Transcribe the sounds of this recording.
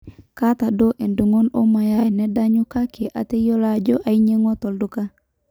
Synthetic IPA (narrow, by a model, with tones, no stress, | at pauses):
ka˦t̪a˨do˦ʔe˨ndu˨ŋo˦no˦ma˨ja˦jnɛ˦da˦ɲu˦ka˦kʰe˨ʔa̰˨te˦jo˦la˦d͡ʒɔ˦ʔa˨i˦ɲe˦ŋɔ˦tɔ˨ldu˦ka˦